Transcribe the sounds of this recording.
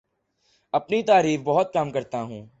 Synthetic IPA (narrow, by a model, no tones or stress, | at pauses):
əpniːt̪aːɾiːfbɔɦʊt̪̚kəmkəɾt̪aːɦũː